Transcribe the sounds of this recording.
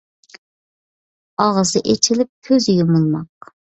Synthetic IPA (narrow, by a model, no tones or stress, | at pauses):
ɑʁəzɨʔet͡ʃʰilɪp̚kʲʰøzɪjʲumunˠmɑq̚